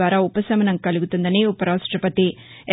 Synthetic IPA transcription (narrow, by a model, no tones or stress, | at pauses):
ʋaːɾaːupɐsɐmɐnɐŋkɐluɡut̪und̪ɐneːupɐɾaːʂʈɾɐpɐt̪i